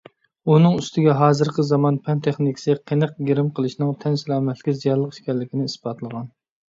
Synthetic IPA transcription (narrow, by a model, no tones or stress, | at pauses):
unɨŋyst̪ʰɪɡʲɛɦɑːzɨɾqəzɑmɑnpʰɛnt̪ʰɛχnɪkʲʰɪ̥sɨqʰenəqɡʲeɾɪmqʰəlˠɨʃnɨŋt̪ʰɛnsɪɾɑːmɛt̪ʰlɪkʲizijɑɾlˠːəqʃkʲɛɾlːɪkʲinɪisb̥ɑt̪lˠəʁɑn